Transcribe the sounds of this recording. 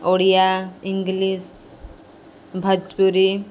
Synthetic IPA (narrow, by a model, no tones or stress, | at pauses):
oɽijaiŋɡlis | bʱəd͡ʒpuɾi